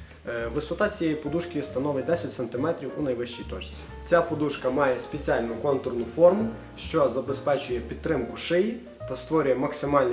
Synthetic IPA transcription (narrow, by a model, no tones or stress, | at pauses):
ʋɪsɔt̪ɑt͡sʲijɛjpɔd̪uʃkɪst̪ɐnɔʋɪd̪ɛsʲɐtʲsent̪ɪmɛt̪ɾʲiwunɐjʋɪʃt͡ʃijt̪ɔt͡ʃt͡sʲi̥ | t͡sʲapɔd̪uʃkɐmɑjɛspet͡sʲialʲnʊkɔnt̪ʊrnʊfɔrmʊ | ʃt͡ʃɔzɐbespɛt͡ʃʊjɛpʲid̪ɾɪmkʊʃɪji | t̪ɐst̪ʋɔɾʲʊjɛmɐksɪmɑlʲnʲ